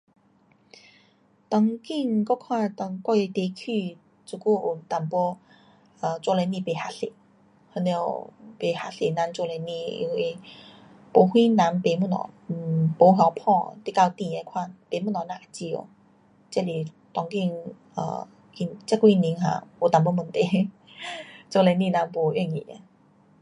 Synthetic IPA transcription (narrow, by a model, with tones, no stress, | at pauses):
t̪ɔ˨˧ŋki˥˧˨ŋkɔ˥˦˧kʰwã˥˧t̪ɔ˧ŋkwa˥˧˨e˧t̪e˧˦kʰi˥˧ | t͡su˧˩ku˥˧˨u˨˩t̪a˨mpɔ˦ | ə˨˩t͡swɔ˥˧le˧˦nĩ˧˨pe˨ha˧sḛ˨ | hə˧ne˧o˨˩pe˨˩ha˧˥se˨˩na˨˧˦nt͡sɔ˧le˧˦nĩ˧˨ḭ˧we˧ | po˨˦hwĩ˦nã˧˦npe˨˦mu˧˨nɔ̰˨˩˨po˨˦ɦjɔ˧˦pʰɔ̃˥˧˨t̪i˧˥˨ka˧t̪ĩ˧˨a˧˦kʰwa˥˧˨npe˨˦mu˥˧nɔ˨˩nã˧˨a˨˩t͡ɕi˧˩o̰˨˦ | t͡ɕɛ˥˨li˨˩ | t̪ɔ˧˦ŋki˥˧ŋ | ə̰˧ | i˧nt͡ɕɛ˧˦ku˧i˧ni˧˦ŋɦã̰˧˩o˨˩t̪a˨mp̬ɔ˧˦mə˧nt̪e˧˨˦ | t͡sɔ˥˧˨le˧˦nĩ˧˨nã˨˧˦npo˨˩ɥɛ˥˧˩ŋḭ˨a̰˧˦